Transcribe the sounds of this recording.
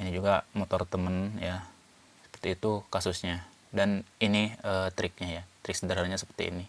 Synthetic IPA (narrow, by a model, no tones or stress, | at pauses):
inid͡ʒuɡamot̪ɔrt̪əmənja | sə̥pərt̪iːt̪ukasʊsɲa | daniniəːt̪ɾɪk̚ɲajat̪ɾɪksədaɾanɲasə̥pə̥rt̪ḭḭni